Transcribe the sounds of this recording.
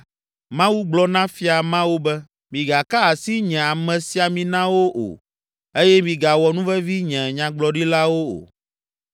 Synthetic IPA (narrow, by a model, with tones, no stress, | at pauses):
mã˦wu˦ɡ͡blɔ˦nã˦fi˦a˨mã˦wo˦bɛ˦ | mĩ˨ɡa˨ka˦a˨si˦ɲɛ̃˨a˨mɛ̃˨si˨a˨mĩ˨nã˦wo˦ʔo̰˨ | e˦jɛ˦mĩ˨ɡa˨wɔ˨nũ˦vɛ˦vi˦ɲɛ̃˨ɲã˨ɡ͡blɔ˦ɖi˦la˦wo˦o̰˨